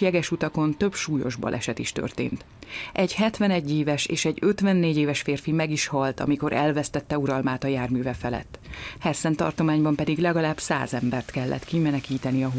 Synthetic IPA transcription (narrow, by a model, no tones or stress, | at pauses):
jɛɡɛʃut̪ɒko̞nt̪ø̞bʃuːjo̞̰ʒbɒ̰lʔɛ̰ʃɛt̪iʃt̪ø̰rt̪ḛːnt̪ | ʔɛɟhɛt̪ʋɛnɛɟːeːvɛʃḛːʃɛɟø̞t̪vɛnːeːɟeːvɛʃfeːrfimɛɡiʃhɒlt̪ɒ̰miko̞ɾʔɛlvɛst̪ɛt̪ːɛuɾɒlmaːt̪ɒjaːrmyːvɛfɛlɛ̰t̪ːhɛsɛnt̪ɒ̰rt̪omaːɲbɒmpɛd̪iɡlɛɡɒlaːbsa̰ːzɛmbɛrt̪kɛlːʔɛ̰t̪kimɛnɛkiːt̪ɛniɒɦ